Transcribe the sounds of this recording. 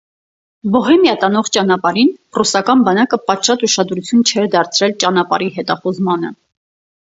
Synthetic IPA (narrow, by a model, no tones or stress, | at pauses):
bɔɦɛmjɑt̪ɑnɔʁt͡ʃɑnɑpɑɾinrusɑkɑnbɑnɑkəpɑt̪ʃɑt̪uʃɑd̪ɾut͡sʰjunt͡ʃʰɛɾd̪ɑɾt͡sʰɾɛlt͡ʃɑn̪ɑpɑ̰ɾiɦɛt̪ɑχuzmɑn̪ə̰